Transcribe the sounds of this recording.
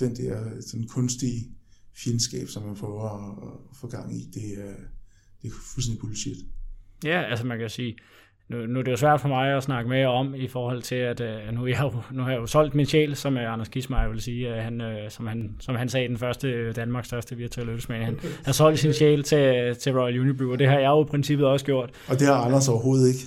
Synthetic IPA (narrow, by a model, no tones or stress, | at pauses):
d̥end̥ɛɐ̰̥sɔnnkʰɔ̽nsd̥ifjelnsɡ̥ɛ̰ːb̥sɒ̽mːænpʰʁœɐfɔɡ̥ɑ̈ŋ̰id̥e̝æɐ | d̥e̝ɐful̩sendipʰolised̥jæælsəmænkʰæjosiː | nunuæd̥e̝jo̝s̬ʋæɐ̰d̥fɒ̽mɑ̈ɪɒ̽snɑ̈ɡ̥əmeɒ̽mifɒːhɒ̽l̰t͡sʰe̝læd̥ønujɑjonuhɑ̈jɑjo̝sɒ̽l̰d̥minɕɛ̰ːlsɒ̽møɑ̈nɐskʰismɑʋe̝lsiːæhænøsɒ̽mhænsɒ̽mɦænsɛːid̥enfɶɐsd̥əd̥ænmɑ̈ːɡ̥sfɶɐsd̥əʋiɐt͡sʰuɛlød̥̩smænhænhɑsɒ̽l̰d̥sinɕɛ̰ːlt͡sʰe̝t͡sʰe̝ʁɔljuːnjib̥uɒd̥e̝ɦɑ̈jɑ̈ɪjo̝ipʰʁɛnsib̥ð̩ˠɒ̽səɡ̥jo̝ɐ̰d̥ɒ̽d̥e̝hɑ̈ɑnɐsɒʊɐɦo̝ːð̞̩ˠeɡ̥